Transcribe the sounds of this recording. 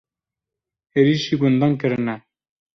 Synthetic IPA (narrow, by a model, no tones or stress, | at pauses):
eɾiːʃiɡʊnd̪ɑnkəɾɨnɛ